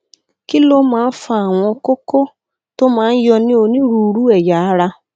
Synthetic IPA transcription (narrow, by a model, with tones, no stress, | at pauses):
ki˦lo˦ma˦n̩˦fa˨a˨ŋʷɔ˧kʊ˦ko˦ | to˦ma˦n̩˦jɔ˧nɪ˦o˨ni˦ɾu˨ɾu˦e˨ja˨a˦ɾa˦